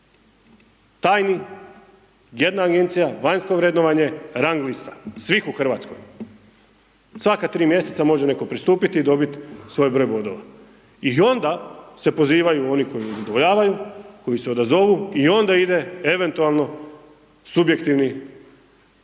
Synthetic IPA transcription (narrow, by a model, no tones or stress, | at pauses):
t̪aːjni | je̞d̪naːɡe̞nt̪sijaʋaɲsko̞ʋɾed̪noʋaɲe̞ɾaŋɡlist̪ḁsʋixuxr̩ʋat̪skoj | sʋakat̪ɾiːmje̞set̪samo̞ʒene̞ko̞pɾist̪uːpit̪iːd̪o̞bit̪sʋo̞jbɾo̞jbo̞d̪o̞ʋa̰ | io̞nd̪ase̞po̞ziːʋajuo̞niko̞iuzad̪oʋo̞ʎaːʋajuko̞jiseo̞d̪azo̞ʋuio̞nd̪aid̪e̞e̞ʋe̞nt̪ualˠno̞ | subje̞kt̪iʋni